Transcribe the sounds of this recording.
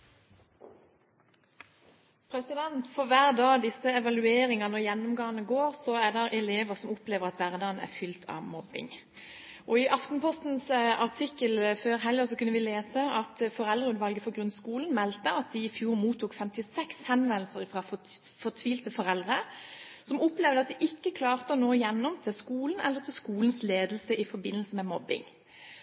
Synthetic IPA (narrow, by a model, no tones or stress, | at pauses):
pʰʁɛsɪd̪ɛnt̪fɔʋæːʁd̪ɑːd̪ɪsəɛʋɑlʉeːɾɪŋɑnəjɛnːʊmɡɑːənəɡoːʁsɔæd̪ɛʁʔɛleːʋəʁsɔmʊpleːʋəʁɑt̪ʋæʁd̪ɑːənæ̰ʁfʏlt̪ʰɑ̰ʋmɔbɪ̰ŋ | ʔɔɪʔɑft̪n̩pʰɔst̪n̩sɑʁt̪ʰɪkːəlføːʁɦɛljəsɔkʉnəʋɪleːsəɑt̪fɔʁɛld̪ʁəʉnʋɑlɡəfɔʁɡɾʁʉnskuːln̩mɛlt̪əɑt̪̚d̪ɪɪfjuːʁmuːt̪ʰːuːkfɛmt̪ɪsɛkshɛnʋɛnl̩səʁfʁɑfɔ | fɔʁt̪ʰʋiːlt̪əfɔʁɛld̪ʁəsɔmɔpleːʋd̪əɑt̪̚d̪ɪʔɪkːəkʰlɑːʁt̪əɔnoːjɛnːɔmt̪ʰɪlskuːln̩ʔɛlːəʁt̪ʰɪlskuːln̩sleːd̪əl̩səʔɪfɔɾbɪnːəl̩səmɛmɔbɪ̰ŋ